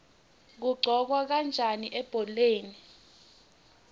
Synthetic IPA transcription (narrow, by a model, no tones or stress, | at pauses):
k̬uɡ͡ǀʱɔk̬wak̬and͡ʒʱaniʔɛb̥ʱɔleːni